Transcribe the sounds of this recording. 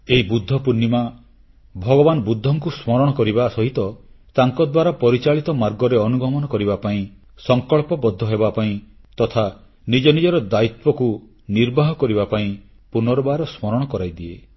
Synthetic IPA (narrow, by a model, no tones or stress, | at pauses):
eɦibud̪ʱːɔpunːima | bʱɔɡɔbanɔbud̪ʱːɔŋkusmɔɾɔɽ̃ɔkɔɾibasɔɦit̪ɔt̪aŋkɔd̪waɾapɔɾit͡ʃaɭit̪ɔmaɾɡɔɾeɔnuɡɔmɔnɔkɔɾibapaĩ | sɔŋkɔɭpɔbɔd̪ʱːɔɦebapaĩt̪ɔt̪ʰa | nid͡ʒɔnid͡ʒɔɾɔd̪ait̪̚pɔku | niɾbaɦɔkɔɾibapaĩ | punɔɾɔbaɾɔsmɔɾɔɽ̃ɔkɔɾajd̪ie